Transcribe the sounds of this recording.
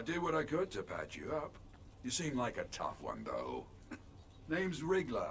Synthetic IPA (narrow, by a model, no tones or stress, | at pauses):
aɪdɨd̚wʌɾaɪkɨd̚tʰɨpʰæ̰t͡ʃɨ̰ʌp | jɨsĩmlaɪkɨtʰʌ̰fwʌ̰̃nðo̰ʊ | nẽɪ̃mzɹɪɡlə̰